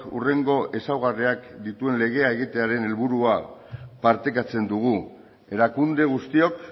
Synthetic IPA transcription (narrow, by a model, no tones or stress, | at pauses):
ṵre̞ŋɡo̞ʔe̞sawɣ̞ariakd̪it̪ue̞nle̞ɣ̞e̞aeɣ̞it̪e̞aɾe̞ne̞lβuɾuapaɾt̪e̞kat͡se̞nd̪uɣ̞u | e̞ɾakund̪e̞ɣ̞ust̪io̞k